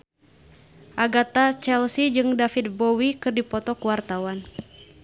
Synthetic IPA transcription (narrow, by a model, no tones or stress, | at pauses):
ʔaɡat̪at͡ʃɛlsid͡ʒɨŋdafit̪̚bɔwikɨrdipɔt̪ɔkuwart̪awan